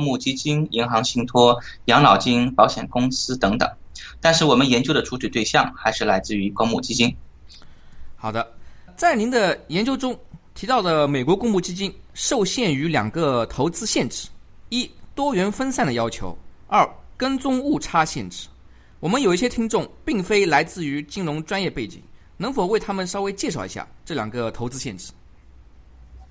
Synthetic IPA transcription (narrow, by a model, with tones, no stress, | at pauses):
ŋmu˥˩t͡ɕi˥t͡ɕi˥ni˧˥ŋxɑ˧˥ŋɕi˥˩ŋt̪ʰwɔ˥ | jɑ˧˥ŋlɑ˨˩ʊt͡ɕi˥ŋpɑ˧˥ʊɕjɛ̰˨˩nkʊ˥ŋsɹ̩˥t̪ɤ˧˥ŋt̪ɤ̰˨˩˦ŋt̪a˥˧nʂɻ̩˥˩wɔ˨˩mə˦njɛ˧˥nt͡ɕjo˥ʊd̪ə˨ʈ͡ʂʰu˧˥t͡ɕʰy˨˩t̪we˥˧ɪɕjɑ˥˩ŋxa˧˥ɪʂɻ̩˥˩la˧˥ɪt͡sɹ̩˥˩y˧˥kʊ˥ŋmu˥˩t͡ɕi˥t͡ɕi˥n | xɑ˨˩ʊd̪ə˦t͡sa˥˩ɪni˧˥nd̪ə˧jɛ˧˥nt͡ɕjo˥ʊʈ͡ʂʊ˥ŋt̪ʰi˧˥t̪ɑ˥˩ʊd̪ə˩me˨˩ɪkwɔ˧˥kʊ˥ŋmu˥˩t͡ɕi˥t͡ɕi˥nʂo˥˧ʊɕjɛ˥˩ny˧˥ljɑ̰˨˩ŋɡə˧t̪ʰo˧˥ʊt͡sɹ̩˥ɕjɛ˥˧nʈ͡ʂɻ̩̥˥˩ | i˥t̪wɔ˥ɥɛ˧˥nfə˥nsa˥˩nd̪ə˩jɑ˥ʊt͡ɕʰjo̰˧˥ʊɐ˞˥˩kə˥nt͡sʊ˥ŋu˥˩ʈ͡ʂʰa˥ɕjɛ̰˥˩nʈ͡ʂɻ̩̥˥˩˦ | wɔ˨˩mə˦njo˨˩ʊi˥˩ɕjɛ˥t̪ʰi˥ŋʈ͡ʂʊ˥˩ŋpi˥˩ŋfe˥ɪla˧˥ɪt͡sɹ̩˥˩y˧˥t͡ɕi˥ŋɻʊ˧˥ŋʈ͡ʂwa˥njɛ˥˧pe˥˩ɪt͡ɕḭ˨˩˦ŋ | nɤ˧˥ŋfo˨˩we˥˩ɪt̪ʰa˥mə˨nʂɑ˥ʊwe˥ɪt͡ɕjɛ˥˧ʂɑ˥˩ʊḭ˧˥ɕja̰˥˩ʈ͡ʂɤ˥˩ljɑ̰˨˩ŋɡə˧t̪ʰo˧˥t͡sɹ̩˥ɕjɛ˥˩nʈ͡ʂɻ̩̥˥˩˦